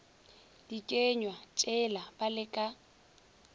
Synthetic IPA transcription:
d̥ikʼeɲwat͡ʃʼɛlab̥alɪkʼa

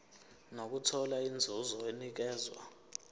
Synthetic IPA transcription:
nok̬utʰɔlaind͡zʱuzɔenik̬ɛːzwa̰

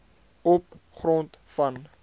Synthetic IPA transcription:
ɔpχrɔntfɐn

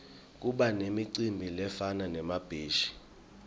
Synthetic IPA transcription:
k̬ʼuɓanemiǀimbʱilɛfananɛmab̥ʱeːʃi̥

